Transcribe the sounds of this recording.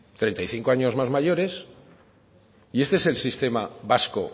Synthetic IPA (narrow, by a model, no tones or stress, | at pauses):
t̪ɾe̞nt̪ajθiŋko̞aɲo̞zmazmaʝo̞ɾe̞s | ie̞st̪eeselsist̪e̞maβasko̰